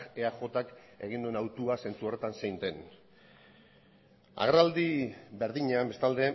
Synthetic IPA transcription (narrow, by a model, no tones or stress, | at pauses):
eaʝo̞t̪ake̞ɣ̞ind̪ue̞nawt̪uase̞nt͡suo̞ret̪ansejnt̪e̞n | a̰ɣɾald̪ibe̞ɾðiɲeambe̞st̪ald̪e̞